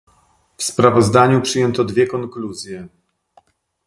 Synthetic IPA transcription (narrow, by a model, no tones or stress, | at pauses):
fspɾavɔzd̪aɲupʂɘjɛnt̪ɔd̪vʲjɛkɔŋkluzʲjɛ